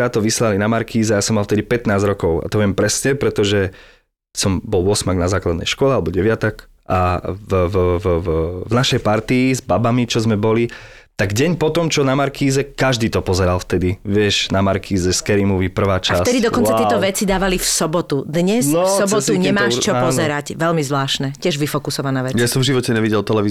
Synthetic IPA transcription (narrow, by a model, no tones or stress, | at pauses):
ɾaːt̪ːɔʋislalinamaɾkʰiːzɛajaːsɔmːalˠft̪ɛd̪ipɛt̪naːzɾɔkɔʊa̰t̪ɔʋɪɛmpɾɛsɲɛpɾɛt̪ɔʒɛ | sɔmbɔlˠʊɔsmaɡnazaːklad̪nɛ̰jʃkɔlɛalɛbɔɟɛʋɪat̪ɔk | ʔav | vnaʃɛjpaɾt̪iːzbabamit͡ʃɔzmɛbɔli | t̪aɡɟɛɲpɔt̪ɔmt͡ʃɔnamaɾkʰiːzɛkaʒd̪iːt̪ɔpɔzɛɾalft̪ɛd̪iʋɪɛʒnamaɾkʰiːzɛskɛɾimɔʋipr̩ʋaːt͡ʃafsɛd̪id̪ɔkɔnt͡saɪɛt̪ɔʋɛt͡sid̪aːʋalifsɔbɔt̪ud̪ɲɛsɔsɔbɔt̪uɲɛmaːʃt͡ʃɔppɔzɛɾacʋɛlmizʋlaːʃnɛcɛʒʋifɔkusɔʋanaːʋɛjasɔmvʒiʋɔcɛɲɛʋiɟɛlt̪ɛlɛʋiː